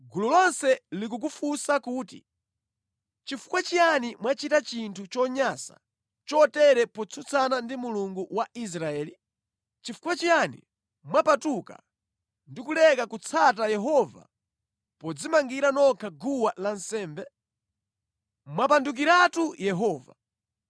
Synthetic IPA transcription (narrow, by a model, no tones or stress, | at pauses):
ɡululɔnsɛlik̬uk̬ufusakuːtḭ | t͡ʃifu̥kwat͡ʃianimwat͡ʃitat͡ʃintʰut͡ʃɔɲasa̰ | t͡ʃɔtɛɾɛpɔt͡sʰut͡sʰanandimuluŋɡuwais̬ɾaɛːli | t͡ʃifu̥kwat͡ʃijanḭ | mwapatuka̰ | ndikulɛkakut͡sʰatajɛɦɔva̰ | pɔd͡zimaŋɡiɾanɔkʰaɡuwalansɛːmbɛ | mwapanduk̬iɾatujɛɦɔːva̰